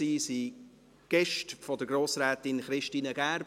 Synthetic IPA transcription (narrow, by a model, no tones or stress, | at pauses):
iːsi | ɡ̥ɛʃtfɔdəɡ̥ɾoːsɾɛːtɪnχɾɪʃtiːnəɡ̥æːɾb